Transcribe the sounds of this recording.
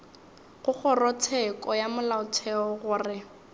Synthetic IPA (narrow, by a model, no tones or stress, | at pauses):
ɣʊk͡xʰɔrɔt͡sʰɛkʼɔjamʊlaʊt͡sʰɛɔɣʊrɪ